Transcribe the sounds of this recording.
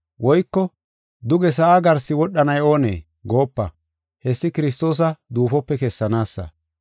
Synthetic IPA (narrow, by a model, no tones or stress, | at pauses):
wɔjkːɔ | d̪ʊɡɛs̬ɐʔaːɡɐɾsːɪwɔɗːɐnɐjo̞ːnḛː | ɡo̞ːpːɐ̰ | hɛsːɪkɪɾɪs̬t̪o̞ːs̬ɐd̪uːfɔpːɛkɛsːɐnaːsːɐ̰